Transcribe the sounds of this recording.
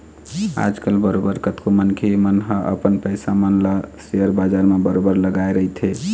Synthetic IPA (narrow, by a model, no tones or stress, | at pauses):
a̰d͡ʒkəlbəɾobəɾkət̪komənkʰemənɦəʔə̰pənpəɪsamənləseəɾbad͡ʒaɾmebəɾobəɾləɡajɾəɦit̪ʰe